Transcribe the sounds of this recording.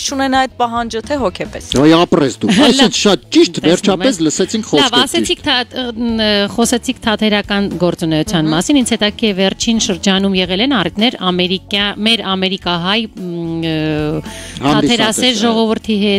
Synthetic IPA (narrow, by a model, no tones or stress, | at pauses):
t͡ʃʰunɛnɑjd̪̚pɑɦɑnd͡ʒət̪ʰɛɦɔkʰɛpɛsɑiɑprɛsd̪uɑlsɛnt͡sʰʃɑt̪t͡ʃiʃt̪vɛɾt͡ʃʰɑpɛsləsɛt͡sʰiŋkʰχɔɑvɑsɛt͡sʰik̪ʰɑ | χɔsɛt͡sʰikt̪ʰɑt̪ʰɛɾɑkɑnɡɔɾt͡sunɛjut͡sʰjɑnmɑsinint͡sʰhɛt̪ɑkɛvɛrt͡ʃʰinʃəɾd͡ʒɑnumjɛʁɛlɛnɑrit̪nɛɾɑmɛɾikɑmɛɾɑmɛɾikɑɦɑj | hɑɑt̪iɛɾɑsɛɾʒɔʁɔvəɾt̪ʰiɦɛt̪